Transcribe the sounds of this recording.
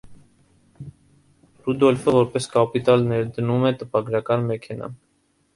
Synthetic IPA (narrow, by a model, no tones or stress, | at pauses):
rud̪ɔlfəvɔɾpɛskɑpit̪ɑlnɛɾd̪ənumɛt̪əpɑɡɾɑkɑnmɛkʰɛnɑ̰